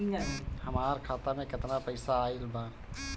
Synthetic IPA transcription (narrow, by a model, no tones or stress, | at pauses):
həmaːɾkʰaːt̪amẽkɪt̪napəɪsaːɪlbãː